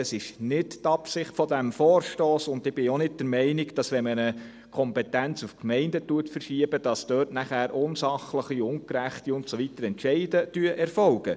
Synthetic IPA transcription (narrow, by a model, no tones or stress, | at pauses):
əsɪʃnɪttɑpsɪχtfɔdæmfɔːɾʃtoːsʊndɪb̥ɪonɪd̚d̥əɾmɛɪnɪɡd̥ɑsʋɛmənə | kʰɔmpɛtænt͡sufkmɛɪndətuətfəɾʃiəbəd̥ɑstøːtnæχæːɾʔʊnsɑχləχiʊŋkɾæχtiʊntsɔʋitəɾɛntʃɛɪdətyəʔɛɾfɔlɡə